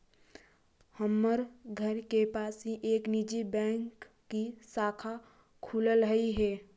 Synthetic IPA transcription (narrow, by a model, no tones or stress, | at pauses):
həmːəɾɡʱəɾkepaːsɦĩʔeːknid͡ʒibɛ̃ŋkː | isaːkʰa | kʰuːləlɦəiɦɛː